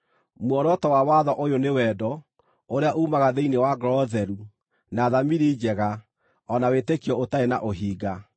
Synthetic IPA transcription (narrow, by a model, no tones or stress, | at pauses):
mwɔɾɔtɔwawaðɔʔojonewɛːdɔ | oɾeaʔuːmaɣaðeinewaɡɾɔðɛɾu | naːðamiɾid͡ʑɛɣa | ɔnawetekijɔotaena̰ʔoɦiːɡa